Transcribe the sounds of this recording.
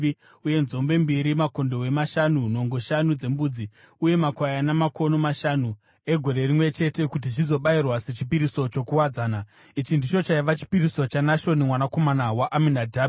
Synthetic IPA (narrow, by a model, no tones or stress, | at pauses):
i | uje̞nzo̞mbe̞mbiɾimako̞ndo̞we̞maʃanuno̞ŋɡo̞ʃanud͡ze̞mbuːd͡zi | uje̞makwajanamako̞no̞maʃanu | e̞ɡʱo̞ɾe̞rimwe̞t͡ʃe̞te̞kut̬it͡ʃizo̞ɓairwase̞t͡ʃipiɾiso̞t͡ʃo̞kuwad͡zaːna | it͡ʃindit͡ʃo̞t͡ʃaiʋat͡ʃi̥piɾiso̞t͡ʃanaʃo̞nimwanako̞manawaʔaminadʱaː